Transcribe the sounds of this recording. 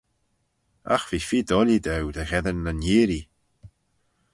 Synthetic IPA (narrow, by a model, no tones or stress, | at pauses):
a̰xv̥iːfiːd̪ɔlid̪ɛwd̪əɣɛðənːəniːɾi